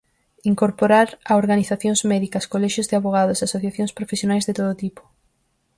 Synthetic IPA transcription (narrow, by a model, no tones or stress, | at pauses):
iŋkoɾpoɾaɾaoɾɣaniθaθjoŋsmɛðikɐskolɛʃjozðɪaβoɣaðʊseasoθjaθjoŋspɾofesjonajzðet̪oðot̪ipo̥